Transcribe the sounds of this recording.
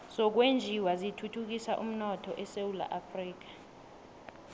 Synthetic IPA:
sɔk̬wend͡ʒʱiwazitʰutʰuk̬isaʔum̩nɔtʰɔʔɛsewula̰ʔafriːk̬ḁ

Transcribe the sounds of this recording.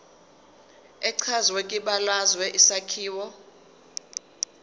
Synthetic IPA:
ɛǀʰazwɛkʼiɓalazwɛʔisakʰiːwɔ

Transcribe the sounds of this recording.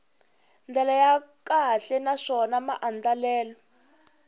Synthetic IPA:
nd͡ɮɛlajakaɬɛnaʂɔnamaʔand͡ɮalɛːlɔ

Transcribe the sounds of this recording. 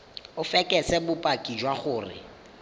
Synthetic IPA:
ʊfɛkʼɛsɛbʊpʼakʼid͡ʒwaχʊːrɪ̰

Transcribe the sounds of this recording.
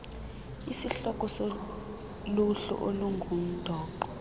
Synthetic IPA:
isiɬɔkʼɔso | luɬṵʔoluŋɡʱum̩d̥ʱɔːǃɔ

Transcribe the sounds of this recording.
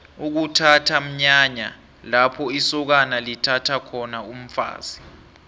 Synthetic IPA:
uk̬utʰatʰam̩ɲaɲa̰ | lapʰɔisɔk̬analitʰatʰakʰɔnaum̩fa̰ːz̥i

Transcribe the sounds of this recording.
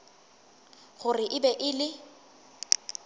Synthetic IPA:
χʊrɪʔɪbɛʔɪlɪ

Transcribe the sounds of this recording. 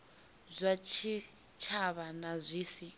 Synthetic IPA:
zʷat͡ʃʰi | t͡ʃʰaβanazʷiːsi

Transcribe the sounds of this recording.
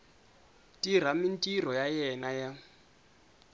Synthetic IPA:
tʼiɾ̤amintʼirɔjajɛnaja

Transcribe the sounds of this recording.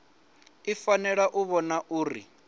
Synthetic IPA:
ifanɛɺaʔuβɔnaʔuːɾḭ

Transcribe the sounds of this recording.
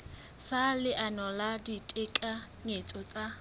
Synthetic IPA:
salɪʔanɔladitʼekʼa | ŋet͡sʼɔt͡sʼa

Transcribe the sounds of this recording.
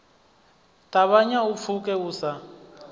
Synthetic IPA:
tʼaβaɲaup̪fʰukɛuːsa

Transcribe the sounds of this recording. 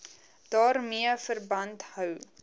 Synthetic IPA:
d̥ɑːrmiəfərbɐntɦœw

